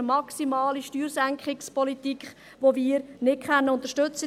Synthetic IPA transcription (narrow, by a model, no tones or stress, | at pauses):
əmɑksimɑːliʃtyːɾsæŋkχɪkspɔlitikχ | ʋoviːɾnɪt̚kʰχɛnːəʊnt̪əʃtɵt͡sə